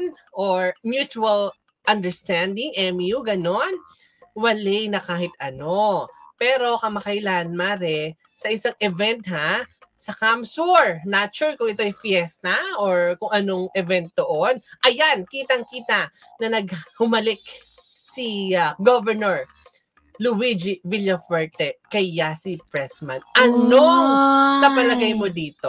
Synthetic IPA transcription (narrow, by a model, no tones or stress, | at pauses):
n | ʔoɹmjut͡ʃuɐl | ʔɐnd̪ɛɹst̪and̪ɪŋʔɛmjuɡɐno̞n | wɐlɛnɐkaːhɪt̪ɐno̞pɛːɾo̞kɐmɐkɐjlanmaːɾɛ | sɐʔɪsaŋʔɛvɛnt̪̚hasɐkamsuɹnat͡ʃuɹkʊŋɪt̪o̞ʔɐjfjɛst̪ɐʔoɹkʊŋʔɐno̞ŋʔɛvɛnt̪̚d̪oʔonʔɐjankiːt̪ɐŋkiːt̪ɐ | nɐnɐɡhʊmɐlɪk̚ | siaɡovɛɹnoɹ | lʊwid͡ʒiviljɐfɛɹt̪ɛkɐjasɪpɹɛsmanʔɐnosɐpɐlɐɡajmo̞d̪iːt̪o